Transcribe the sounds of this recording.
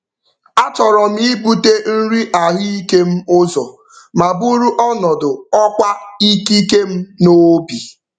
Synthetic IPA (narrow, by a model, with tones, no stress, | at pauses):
a˦t͡ʃɔ˨ɾɔ˨m̩i˦i˦bu˦te˦n̩˦ɾi˦ʔa˨ɦi˦i˦ke˦m̩˦ʊ˦zɔ˨ | ma˨bu˦ɾu˦ʔɔ˦nɔ˨dʊ˨ɔ˦kʷa˦i˦ki˦ke˦m̩˦no˦bi˨